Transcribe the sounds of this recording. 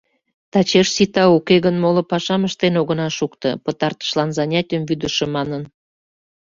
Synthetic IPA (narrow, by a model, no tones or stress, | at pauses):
t̪ɑt͡ɕeʃsit̪ɑukeɣənmolə̆pɑʃɑməʃt̪enoɣənɑʃukt̪ɤ̰pət̪ɑrt̪ə̥ʃlɑnzɑnʲɑtʲəmvyd̪ə̆ʃĕmɑnən